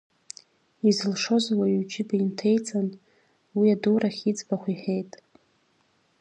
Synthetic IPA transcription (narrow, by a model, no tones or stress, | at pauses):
izɨlʂo̞zawawd͡ʒɪbaintʰe̞jt͡sʼan | wiaduɾaχʲit͡sʼbaχʷiħejtʼ